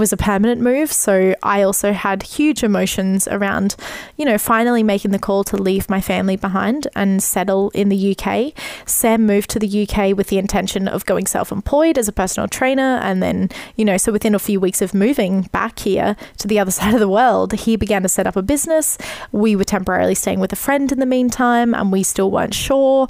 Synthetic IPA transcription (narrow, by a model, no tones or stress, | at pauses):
wʌzɨpʰɜ˞mɨnɨ̃nmʉv̥soʊʔa̰ɪɔlˠsoʊəd̚hjʉd͡ʒɨmoʊʃɨ̃nzə̰˞ãʊ̃nd̥jɨñoʊfãɪ̃nl̩ˠimeɪkɪ̃ŋðɨkʰɔlˠtʰəlivmaɪfæ̃mlibəɦãɪ̃ndɨ̃nsɛɾl̩ˠɪ̰̃nðɨjʉkʰeɪsæ̃mːʉv̚tʰɨðɨjʉkʰeɪwɨðiɨ̃ntʰɛ̃nʃɨ̃nʌ̰vɡoʊɪ̃ŋsɛ̰lˠfə̰̃mpʰl̥ɔɪɾɨzəpʰɜ˞sn̩l̩ˠtʰɹ̥ẽɪ̃nə˞ʔɨ̰̃nðɨ̰̃njɨnoʊsoʊwɨθɪ̃nəfjʉwiksʌvmʉvɪ̃ŋb̥æ̰khḭɹɾʰɨðiʌðə˞saɪɾʌvðəwɜ˞lˠd̥hibɨɡæ̃ntʰɨsɛɾʌ̰pəbɪznɨswiwə˞tʰɛ̃mpə˞ɛ̰ɹḭl̩ˠisteɪɪ̃ŋwɨðɨfɹɛ̃ndɨ̃nðɨmĩntʰãɪ̃mʔə̰̃nwistɪlˠwɜ̰̃˞ntʃɔɹ